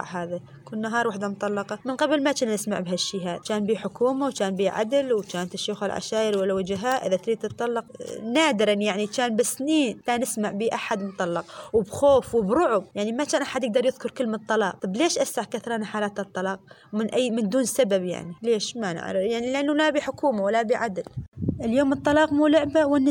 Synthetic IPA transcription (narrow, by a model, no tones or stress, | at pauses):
ʕɦaːða | kuːnːaɦɑːɾˤwaːħd̪amʊt̪ˤɑlːɑqɑmɪnqɑblmat͡ʃaːnːɪsma̰ʕbɦaʃːiɦaːt͡ʃaːnbiːħʊkuːmawt͡ʃaːnbiːʕa̰d̪lwt͡ʃaːnt̪ɪʃːuːxalʕa̰ʃaːʔɪɾwalːawad͡ʒɦaːʔɪðat̪ɾid̪t̪ːɨt̪ˤːɑlːɑqnaːd̪ɪɾɑnjaʕnit͡ʃaːnbɪsniːnt̪aːnːɪsmaʕbiːʔaħad̪mʊt̪ˤːɑlːɑqwɪbxoːfwɪbɾʊʕʊbjaʕnimat͡ʃaːnʔaħad̪jɪɡ̚d̪ɑɾˤjɪðkʊɾˤkɪlːmt̪ˤːɑlɑːq̚t̪ˤɑbleːʃʔasaħkaθɾˤɑːnaħaːlaːt̪ɨt̪ˤːɑlɑːq̚ | mɪnʔajːmɪnd̪uːnsababja̰ʕnileːʃmanɪ̰ʕɾjaʕnilʔanːulabiːħʊkuːmawɪlːabiːʕad̪lʔɪljoːmɨt̪ˤːɑlɑːqmuːlʊʕbawɪnː